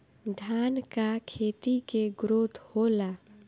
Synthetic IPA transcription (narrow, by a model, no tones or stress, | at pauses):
d̪ʱjaːnkakʰeːt̪ikeɡɾoːd̪ʱhola